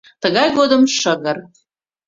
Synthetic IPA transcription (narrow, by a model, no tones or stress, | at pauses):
t̪əɣɑjɣod̪əmʃəɣər